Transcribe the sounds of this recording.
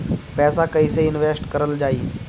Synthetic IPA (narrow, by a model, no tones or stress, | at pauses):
pɛːsakəiseɪnʋesʈkəɾəld͡ʑaːiː